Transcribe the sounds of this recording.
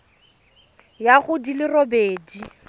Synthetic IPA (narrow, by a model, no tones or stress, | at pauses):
jaχʊdilɪrobeːdi